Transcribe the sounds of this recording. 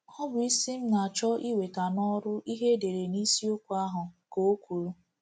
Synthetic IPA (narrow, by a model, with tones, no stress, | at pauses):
ɔ˦bʊ˨˦i˦si˦m̩˦na˨a˨t͡ʃɔ˦ʔi˦we˨ta˨nɔ˦ɾʊ˦ʔi˦ɦe˦de˨ɾe˨ni˦si˦o˦kʷu˦a˦ɦʊ˨ko˨o˦kʷu˨ɾu˦